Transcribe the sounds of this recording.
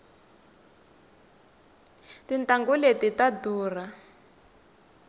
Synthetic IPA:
tintaŋɡuletitaduːra

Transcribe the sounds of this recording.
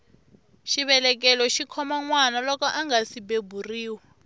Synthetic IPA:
ʃiβɛlɛk̬ɛlɔʃikʰɔmaŋwanalɔkɔʔaŋɡasibebʱuriːwa

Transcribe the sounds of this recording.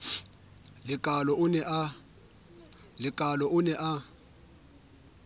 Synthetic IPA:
lɪkʼalɔʔʊnɛʔa | lɪkʼalɔʊnɛʔa

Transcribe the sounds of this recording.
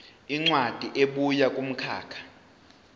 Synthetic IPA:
iŋ͡ǀwad̥ʱiʔeɓujakʼum̩kʰa̰ːkʰḁ

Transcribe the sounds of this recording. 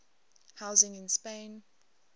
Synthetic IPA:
haʊzɪ̃ŋɪ̃nspẽɪ̃n

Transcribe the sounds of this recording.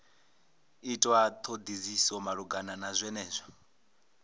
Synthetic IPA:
itʼwat̪ʰod̪izisɔmaɺuɡananazʷɛnɛːzʷa

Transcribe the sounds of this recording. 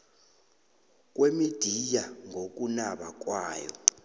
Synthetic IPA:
k̬ʼwemid̥ʱijaŋʱok̬ʼunaɓak̬ʼwaːjɔ̰

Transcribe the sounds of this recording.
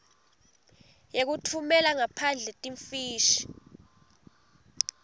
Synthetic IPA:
jek̬utʰumɛlaŋapʰand͡ɮʱɛtʼiɱfiːʃi̥

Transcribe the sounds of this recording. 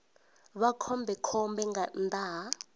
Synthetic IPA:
βakʰɔmbʱɛkʰɔmbɛŋɡandʱaː

